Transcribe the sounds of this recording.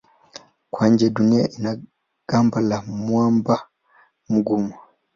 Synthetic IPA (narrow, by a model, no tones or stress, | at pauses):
kwaɲd͡ʒɛduniaʔina | ɡ̥ambalamwamba | m̩ɡuma